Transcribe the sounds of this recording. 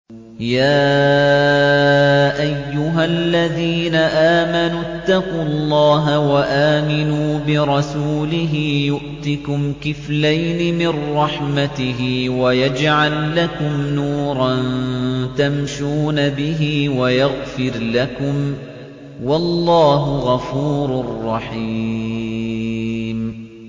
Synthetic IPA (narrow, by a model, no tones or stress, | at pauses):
jaː | ʔajːʊɦalːaðiːnaʔaːmanʊt̪ːɑqulˤːɑːɦawaʔaːmɪnuːbɪɾˤɑsuːlɪɦɪjʊʔt̪ɪkʊmkɪflajnɪmɪrːɑħmat̪ɪɦɪːwajad͡ʒʕalːakʊmnuːɾˤɑnnt̪amʃuːnabɪɦiːwajaɣfɪɾlakʊm | wɑlːɑːɦʊɣɑfuːɾʊrˤːɑħiː | m